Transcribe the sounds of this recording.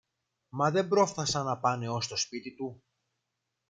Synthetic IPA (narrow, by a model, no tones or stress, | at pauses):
mɐðe̞mbɾo̞fθɐsɐnɐpɐne̞o̞st̪o̞spit̪it̪u